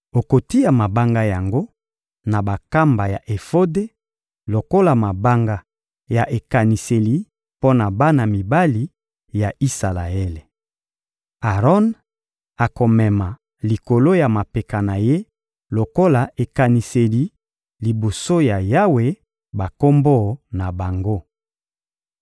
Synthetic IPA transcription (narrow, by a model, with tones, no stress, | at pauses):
o˨ko˨ti˦ja˨ma˨ba˦ŋɡa˦ja˨ŋɡo˦ | na˨ba˨ka˦mba˨ja˨ʔe˨fo˦de˦ | lo˨ko˦la˨ma˨ba˦ŋɡa˦ | ja˨ʔe˨ka˨ni˨se˨li˨ | po˦na˨ba˦na˨mi˨ba˦li˨ | ja˨i˦sa˨la̰˨e˦le˨ | a˨ʁɔ˦n | a˨ko˨mɛ˨ma˨ | li˨ko˨lo˦ja˨ma˨pe˨ka˨na˨je˦ | lo˨ko˦la˨e˨ka˨ni˨se˨li˨ | li˨bo˨so˦ja˨ja˦we˨ | ba˨ko˦mbo˦na˨ba˨ŋɡo˦